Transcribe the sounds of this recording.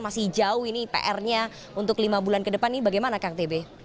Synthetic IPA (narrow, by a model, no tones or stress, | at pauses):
masɪhd͡ʒaʊhinipḛʔɛrɲa | unt̪ʊklimabulankədəpanibaɡajmanakart̪ebe